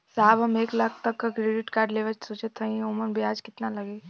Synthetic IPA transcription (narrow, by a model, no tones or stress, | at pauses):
saːbɦɐmeːklaːk̚ʰt̪ɐkːakɾeːɖɪʈkaːɾɖleːʋət͡ʃsoːt͡ʃət̪ʰːəĩoːmənbʱiaːd͡ʒkɪt̪nalɐɡeː